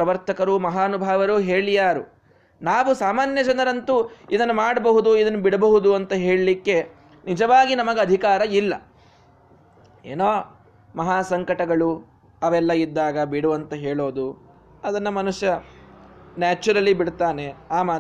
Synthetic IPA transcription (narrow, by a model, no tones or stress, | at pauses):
pɾɐʋɐɾt̪ɐkɐɾumɐɦaːnubʱaːʋɐɾuɦeːɭijaːɾu | naːʋusaːmaːnjɐd͡ʒɐnɐɾɐnt̪uid̪ɐnːumaːɽɐbɐɦud̪uid̪ɐnːubiɽɐbɐɦud̪uɐnt̪ɐɦeːɭlikːe̞ | nid͡ʒɐʋaːɡinɐmɐɡeɐd̪ʱikaːɾɐilːɐ̰ | eːnoː | mɐɦaːsɐŋkɐʈɐɡɐɭu | ɐʋɛlːɐid̪ːaːɡɐbiɽuɐnt̪ɐɦeːɭoːd̪u | ɐd̪ɐnːɐmɐnuʂjɐ | naːt͡ʃɐɾɐlibiɽt̪aːne̞aːmaː